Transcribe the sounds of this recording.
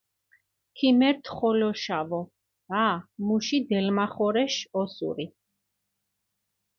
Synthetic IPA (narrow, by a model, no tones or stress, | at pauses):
kʰimɛɾt̪ʰχɔlɔʃavɔ | amuʃid̪ɛlmaχɔɾɛʃɔsṵɾi